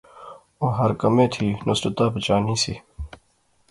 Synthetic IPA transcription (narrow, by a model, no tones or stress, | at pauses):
oːɦɐɾkɐmẽːt̪ʰiːnʊsɾət̪aːpət͡ʃaːniːsiː